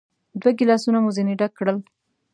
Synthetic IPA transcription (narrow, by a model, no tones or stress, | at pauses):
d̪waɡɪlɑsunamuzeniɖakːɽəl